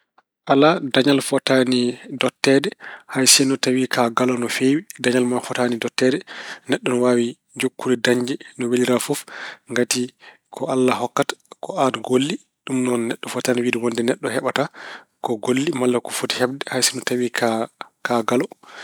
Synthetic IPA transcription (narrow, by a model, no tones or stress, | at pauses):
ʔaladaɲalfɔtanidɔtːɛdɛhajsɛnɔtawikʰaɡalɔnɔfewidaɲalmafɔtanidɔtːɛdɛnɛɗːɔnɔwaːwi | d͡ʒokːuɾɛdaɲd͡ʒɛnɔweliɾafofŋɡati | kʰɔalːahɔkːatḁkʰɔatɡolːi | ɗumnɔnnɛɗːɔfɔtaniwidɛwɔndɛnɛɗːɔhɛɓata | kɔɡolːimalːakɔfoti̥hɛbdɛhajsɛnɔtawikʰakaɡalɔ